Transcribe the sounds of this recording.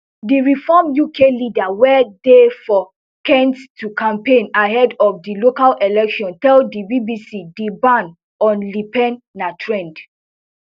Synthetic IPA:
diɹifɔmjukelidawɛdefɔ | kɛ̃nttʰukʰãmpẽnaɦɛdɔfdilokalʔɛlɛkʃɔ̃ntɛldibibisidibãn | ɔ̃nlipɛ̃nːatʰɹɛ̃nd

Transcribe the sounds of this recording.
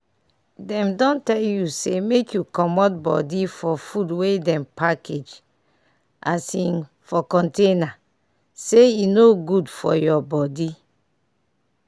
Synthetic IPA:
dɛ̃mdɔ̃ntɛljusemekjukɔmɔt̚bɔ̰difɔfudwedɛ̃mpakʰed͡ʒ | ʔa̰sĩn | fɔkɔ̃ntẽna | seinoɡudfɔ̰jɔbɔdi

